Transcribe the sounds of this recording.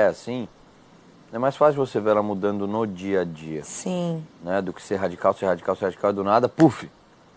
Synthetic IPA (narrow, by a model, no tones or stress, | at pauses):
ɛasĩ | ɛmajsfasiwvosevelamud̪ɐ̃nd̪ʊnod͡ʒiɐd͡ʒiɐsĩnɛd̪ʊkɪ̥seɾɦad͡ʒikawseɾhad͡ʒikawseɾhad͡ʒikawɪd̪ʊnad̪ɐpufɪ